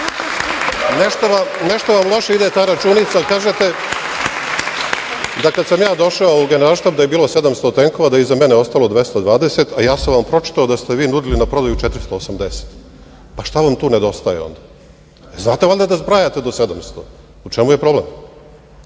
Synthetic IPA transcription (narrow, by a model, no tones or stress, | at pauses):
neʃt̪oʋaneʃt̪oʋamlˠo̞ʃeid̪et̪aːɾat͡ʃunit̪sakaːʒet̪e̞ | d̪akad̪samjaːd̪o̞ʃaouɡe̞neɾalˠʃt̪ap̚d̪aje̞biːlose̞d̪amst̪ot̪eŋko̞ʋad̪aizameneo̞st̪alˠo̞d̪ʋest̪ad̪ʋaːd̪e̞set̪ajaːsamʋampɾo̞t͡ʃi̥t̪aod̪ast̪eʋiːnud̪ilinapɾo̞d̪ajut͡ʃet̪ɾist̪oːsamd̪ese̥t̪ | paʃt̪aʋamt̪uːned̪o̞st̪ajḛo̞̰nd̪a | znaːt̪eʋolʲd̪ad̪azbɾajat̪ed̪osed̪amst̪o̞ | ut͡ʃemuje̞pɾo̞blḛm